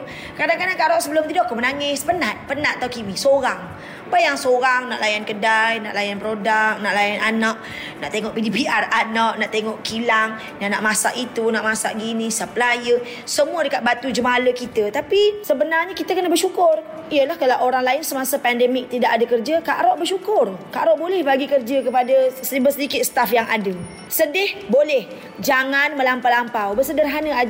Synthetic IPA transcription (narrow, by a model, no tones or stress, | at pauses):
kadaŋkadaŋkaʔɾɔʔsəbəlʊmt̪idɔʔkʊmənaŋɪspənat̪̚pənat̪̚t̪ːawkimisoɾaŋ | bajaŋsoɾaŋnaʔlajankədajna̰ʔlajanpɾodak̚naʔlajanʔanaʔ | naʔt̪eŋɔʔpidipiʔaranaʔnaʔt̪eŋɔʔkilaŋ | naʔnaʔmasaʔit̪unaʔmasaʔɡinisəplajə | səmuədəkat̪̚bat̪ud͡ʒəmaləkit̪ət̪apisəbənarɲəkit̪əkənəbərʃukʊr | ijəlahkalawʔoɾaŋlaɪnsəmasəpɛndɛmɪk̚t̪idaʔadəkərd͡ʒəkaʔɾɔʔbərʃukʊrkaʔɾɔʔbolɛhbaɡikərd͡ʒəkəpadasbəsədikɪt̪̚sə̥t̪afjaŋʔa̰də | sədɪhbolɛh | d͡ʒaŋanməlampalampawbərsədərɦanəa